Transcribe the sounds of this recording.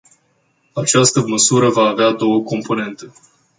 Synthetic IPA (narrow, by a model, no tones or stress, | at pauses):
at͡ʃast̪əməsuɾəvaːvead̪o̞wəko̞mpo̞ne̞nt̪e̞